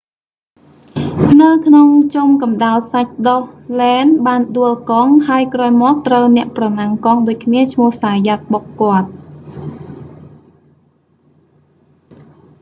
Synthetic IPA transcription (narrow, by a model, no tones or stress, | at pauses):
nɨwkʰnoŋt͡ɕumkɑmɗalsac̚ɗohlɛːnɓaːnɗuəlkɑŋhaəjkraːjmɔːk̚t̪rəwnɛ̆əʔprɑnaŋkɑŋɗoːc̚kʰniət͡ɕʰmʊ̆əhsaːjat̪̚ɓokːŏət̪̚